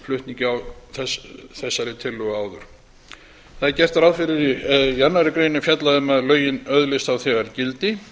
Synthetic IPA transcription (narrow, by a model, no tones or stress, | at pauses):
flʏht̪niɲcɪawθɛsθɛsːaɾɪt̪ʰɪlːʏɣaːwðʏɾ̥ | θaðɪɾcɛr̥t̪aɾawðfɪɾɪɾijaɾnaɾɪkɾeɥjnɪʏfjat̪laðʏmɛðlœːɥjɪnœðlɪst̪awθɛɣaɾcɪlt̪ɪ